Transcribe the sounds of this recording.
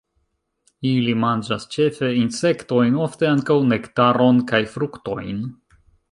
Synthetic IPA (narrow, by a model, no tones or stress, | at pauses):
ilimand͡ʒast͡ʃe̞fe̞inse̞kto̞jno̞fte̞aŋkawne̞ktaɾo̞nkajfɾukto̞jn